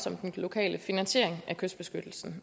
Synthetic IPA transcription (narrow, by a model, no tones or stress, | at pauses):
sɒ̽md̥enlo̝kʰɛ̰ːlʔəfinænɕe̝̰ɐ̰eŋækʰøsd̥b̥e̝sɡ̥ød̥l̩sn̩